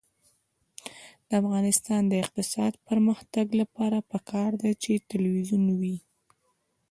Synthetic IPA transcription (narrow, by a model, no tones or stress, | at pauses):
d̪̥əafɣɑnɪst̪ɑnd̪əɪq̚t̪ɪsɑd̪pəɾməxt̪aɡlapɑɾapəkʰɑɾd̪at͡ʃet̪ɪlwizunwi